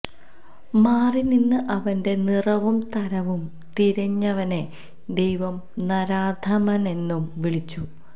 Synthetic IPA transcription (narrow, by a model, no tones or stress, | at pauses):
maːrininːɨʔɐʋɐnde̞nirɐʋumt̪ɐɾɐʋum | t̪iɾɐɲːɐʋɐne̞ | d̪e̞jʋɐmnɐɾaːd̪ʱɐmɐne̞nːumʋiɭit͡ɕːu